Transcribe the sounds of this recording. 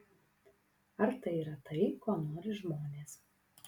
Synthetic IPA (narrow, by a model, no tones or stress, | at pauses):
ɐɾt̪ɐɪiːɾɐt̪ɐɪkoːnoːɾʲɪʒmoːnʲeːs